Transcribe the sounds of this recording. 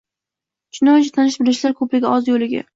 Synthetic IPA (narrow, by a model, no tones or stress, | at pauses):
ʃʊnat͡ʃʰat̪ʰanɪʃbɪlɪʃlaɾkʰɵplɪɡʲaɒzjolɪɡʲa̰